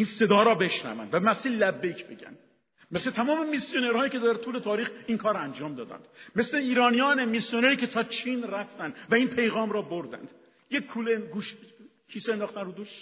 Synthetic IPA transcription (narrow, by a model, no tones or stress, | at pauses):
inse̞d̪ɒːɾɒːbe̞ʃnæ̰væ̰nd̪væmæsiːllːæbːecʰbe̞ɟæ̰n | meslet̪ʰæmɒːme̞misjoneɾhɒːjiːcʰe̞d̪æɾt̪ʰuːle̞t̪ʰɒːɾiːxiŋkʰɒːɾænd͡ʒɒːmd̪ɒːd̪æ̰nd̥̪me̞sleiːɾɒːnijɒːnemisjoneɾiːkʲʰe̞t̪ʰɒːt͡ʃʰinræft̪ænd̪væinpʰe̞jɣɒːmɾɒːboɾd̪æ̰nd̪̥ | jekʰuleɡuːʃ | kʰiːsend̪ɒːχt̪ænrod̪uːʃ